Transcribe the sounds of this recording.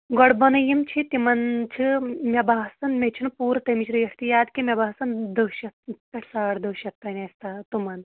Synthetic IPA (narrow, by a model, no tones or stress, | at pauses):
ɡɔɽbɐnɐjimt͡ʃʰit̪imɐnt͡ʃʰimʲɐbaːɦsɐnmʲet͡ʃʰinpuːɾt̪ɐmit͡ʃʰɾijɐʈʰt̪ijaːd̪kimʲɐbaːsɐnd̪əwɕɐt̪̚pʲeʈʰsaːɽd̪əwʃɐt̪pɐnest̪aːt̪umɐn